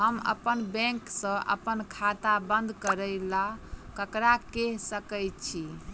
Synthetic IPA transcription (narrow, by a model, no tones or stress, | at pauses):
ɦəmə̰pənbɛ̃ŋksə̃ʔə̰pənkʰat̪abənd̪ʱkəɾəjlakəkɾakeɦsəkəjtt͡ʃʰi